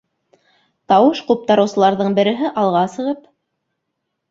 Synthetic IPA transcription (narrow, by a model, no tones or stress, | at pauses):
t̪ɑwɤʃqup̚t̪ɑɾɤ̆wsɤ̆lˠɑɾðɤɴbɘ̆ɾɘ̆ɦɘʔɑlˠʁɑsɤ̆ʁɤp